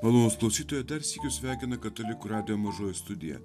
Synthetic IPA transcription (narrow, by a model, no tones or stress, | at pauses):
mɐlˠoːnusklˠɐʊsʲiːt̪oːjɛd̪ɐɾsʲiːkʲʊsʲʋʲæˑɪkʲɪnɐkɐt̪olʲɪkuɾɑːd̪ʲɪjoːmɐʒoːjʊst̪ʊd̪ʲɪjɛ̰